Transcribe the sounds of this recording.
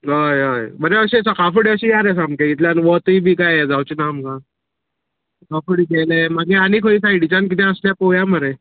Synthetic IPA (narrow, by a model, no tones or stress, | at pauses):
ɦəjɦəjbəɾeəɕesakafuɽiəɕiːjaɾesamkeit̪ʰljanʋət̪iːbʱiːkajed͡zawt͡ɕinamkã | kafuɽiːɡelemaɡeanikʰoiːsaiɽit͡ɕank̬it̪ɛ̃əsljapojaməɾe